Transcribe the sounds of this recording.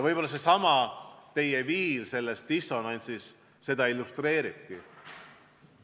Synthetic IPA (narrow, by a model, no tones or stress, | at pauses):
vɤjbo̞lːɑs̬e̞sɑmɑt̪e̞jeviːlse̞lːest̪d̥̪iso̞nɑnʲsisː | e̞d̪ɑilːust̪re̞ːɾib̥̚ki